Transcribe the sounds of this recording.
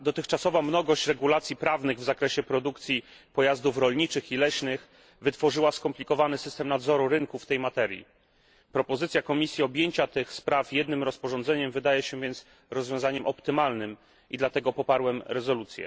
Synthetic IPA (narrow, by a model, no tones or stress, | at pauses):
d̪ɔt̪ɘxt͡ʂasɔvamnɔɡɔɕt͡ɕɾɛɡulat̪sʲjipɾavnɘɣvzakɾɛɕɛpɾɔd̪ukt̪sʲjipɔjazd̪ufɾɔlɲit͡ʂɘxilɛɕnɘx | vɘt̪fɔʐɘwaskɔmplʲikɔvanɘsɘst̪ɛmnad̪zɔɾuɾɘŋkuft̪ɛjmat̪ɛɾʲjḭ | pɾɔpɔzɘt̪sʲjakɔmʲisʲjiɔbʲjeɲt͡ɕat̪ɘxspɾafjɛd̪nɘmɾɔspɔʐɔnzɛɲɛmvɘd̪ajɛɕɛvjɛnt̪s | ɾɔzvʲjɔ̃w̃zaɲɛmʔɔpt̪ɘmalnɘm | ʔid̪lat̪ɛɡɔpɔpaɾwɛmɾɛzɔlut̪sʲjɛ̰